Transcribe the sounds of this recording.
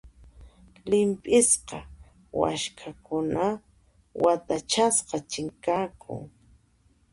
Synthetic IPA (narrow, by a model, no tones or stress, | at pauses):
lɪmpʼɪsqɑ | wa̰ʃkʰakʊna | wʔat̪at͡ʃasqɑt͡ʃɪŋkakʰʊ̰ŋ